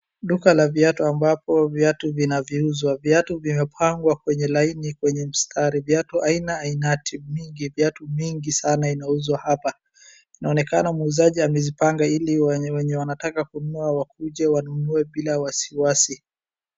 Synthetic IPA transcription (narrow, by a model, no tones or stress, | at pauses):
ɗukalavjatuambapɔvjatuvinaviuzwavjatuvimɛpʰaŋɡwakwɛɲɛlainikwɛɲɛm̩stʰaɾivjatuʔainaːinatʰimiŋɡivjatumiŋɡisanainauzwahapa | inaɔnɛkanamuuzaʄiamɛzipaŋɡailiwɛɲɛwanatakakunuawakuʄɛwanunuɛɓilawasiwasi